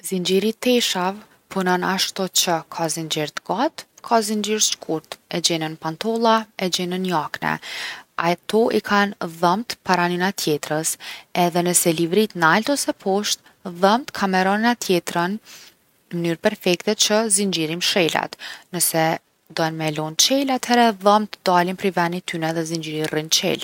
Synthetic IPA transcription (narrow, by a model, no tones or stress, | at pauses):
zind͡ʒiɾit̪ɛʃav | pʰunɔnaʃt̪ɔt͡ɕəkʰazind͡ʒɛɾt̪ɡat̪kʰazind͡ʒiɾʃkʰuɾt̪ɛd͡ʑɛnənpant̪ɔlˠaɛd͡ʑɛnənjaknɛ̰at̪ʰɔʔikʰanðəmt̪paɾaninat̪ʰjɛt̪ɾəsɛðɛnəsɛlivɾit̪nalt̪ɔsɛpʰɔʃt̪̚ | ðəmt̪kʰamɛɾɔninat̪jɛt̪ɾan | ənyɾpɛɾfɛkt̪ɛt͡ʃəzind͡ʒiɾimʃɛla̰t̪nəsɛ | d̪ɔnmɛlɔnt͡ʃɛlat̪ʰhɛɾɛðəmt̪d̪alinpɾivɛnit̪ynɛðɛzind͡ʒiɾirint͡ʃɛ̰l